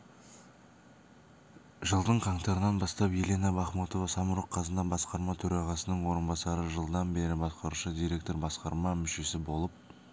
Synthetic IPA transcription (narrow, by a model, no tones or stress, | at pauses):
ʒəlˠd̪əɴqʰɑɴt̪ɑɾənɑnbɑst̪ɑpjelʲe̞nɑbɑχmut̪o̞vɑsɑmuɾoqʰːɑzənd̪ɑbɑsqɑɾmɑt̪ʰɵɾɑʁɑsənəɴwo̞ɾənbɑsɑɾəʒəlˠd̪ɑnbe̞ɾɪbɑsqɑɾuʃəd̪ijɾʲe̞k̚t̪o̞ɾbɑsqɑɾmɑmʏʃe̞sɪbo̞lˠəp̚